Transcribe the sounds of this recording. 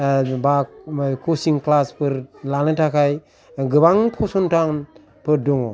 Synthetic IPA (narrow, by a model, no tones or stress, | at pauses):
bakosiŋklaspəɾlalitakaj | ɡəbaŋpʰosuntaŋ | pəɾduŋo